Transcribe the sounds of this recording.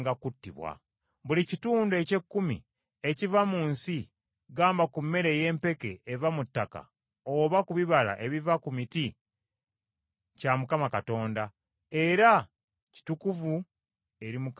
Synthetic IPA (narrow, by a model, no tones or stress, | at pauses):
ɡakutːḭβwa̰ | βulicituːndue̞ce̞kːumḭ | e̞civamuːnsi | ɡaːmbakumːe̞ɾe̞je̞ːmpe̞ke̞ːvamutːaka̰ | oβakuβiβala̰ʔe̞βivakumiti | camukamakato̞ːnda | e̞ɾa | ci̥tukuvu | e̞ɾimuk